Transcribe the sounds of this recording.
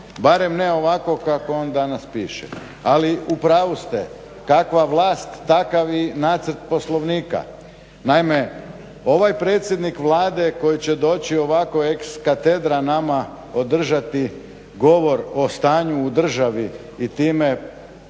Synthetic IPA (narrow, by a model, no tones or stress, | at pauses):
baɾemneo̞ʋako̞kakoond̪anaspiːʃḛ | aliupɾaːʋust̪e | kakʋaʋlˠaːst̪ːakaʋinaːt̪səɾt̪̚po̞slˠo̞ʋniːka̰ | naime | o̞ʋajpɾe̞ːt̪sʲjed̪nikʋlˠaːd̪e̞ko̞jit͡ɕed̪o̞ːt͡ɕio̞ʋako̞e̞kskat̪ed̪ɾanama | od̪r̩ʒat̪i | ɡo̞ʋo̞ɾo̞st̪aːɲuːd̪r̩ʒaʋiː | t̪iːme